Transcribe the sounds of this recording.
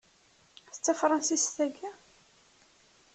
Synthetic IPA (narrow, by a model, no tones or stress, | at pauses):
θə̥t͡sːæfɾˤɑnsisθæɡæ